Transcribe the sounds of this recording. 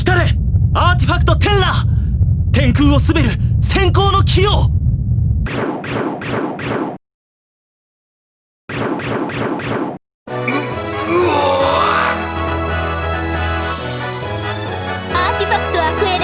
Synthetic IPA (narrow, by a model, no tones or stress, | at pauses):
ɕi̥t̪ad̪e | aːt̪iɸakːɯ̥t̪o̞t̪ẽ̞ɰlaːt̪ẽ̞ŋkɯ̟ːosɨbe̞ɾɯ̟sẽ̞ŋko̞ːno̞kʲʰijoː | aːt̪ʲifakːɯ̥t̪oakɯ̟eɾ